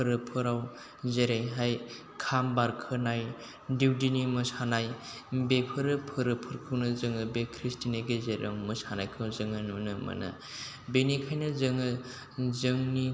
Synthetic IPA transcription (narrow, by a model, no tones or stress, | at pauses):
ɯɾɯpʰɯɾaw | zeɾejɦaj | kʰambaɾkʰɯnaj | diwdinimɯsanaj | bepʰɯɾɯpʰɯɾɯpʰɯɾkʰɯwnɯzɯŋɯbekʰɾistineɡezeɾa̰ŋmɯsanajkʰɯwzɯŋɯnunɯmɐ̰nɯ̰ | benikʰajnɯzɯŋɯ | zɯŋni